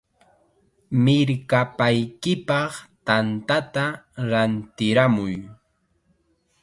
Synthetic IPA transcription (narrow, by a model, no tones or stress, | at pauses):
mɪɾkapajkɪpɑχt̪ant̪at̪aɾant̪ɪɾamʊj